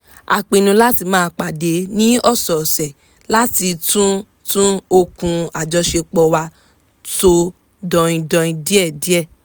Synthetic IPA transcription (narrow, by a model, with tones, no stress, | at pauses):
a̰˨k͡pĩ˧nũ˧la˦ti˧mãː˦˧k͡pa˨de˨˦nĩ˦ɔ˦˨sɔ˨sɛ˨ | la˦ti˧tũ˦ | tũ˦o˧kũ˧a˨d͡ʒɔ˧˦ʃe˧k͡pɔ˧wa˧ | to˧ | dɔ̃˧ĩ˧dɔ̃˧ĩ˧di˦ɛ˦˨di˦ɛ˦˨